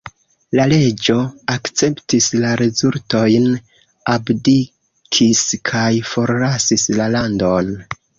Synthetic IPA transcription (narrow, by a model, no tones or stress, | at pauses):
lale̞d͡ʒo̞akt͡se̞ptislaɾezulto̞jn | abdi | kʰiskʰajfo̞ɾlasislalando̞n